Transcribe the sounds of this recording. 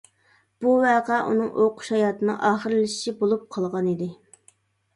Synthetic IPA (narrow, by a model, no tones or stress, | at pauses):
b̥uwæːqɑʔṵnɨŋoqʰʊ̥ʃhɑjɑːt̪ɨnɨŋʔɑːχəɾlɪʃi̥ʃibolˠup̚qʰɑlˠʁɑnid̪ɪ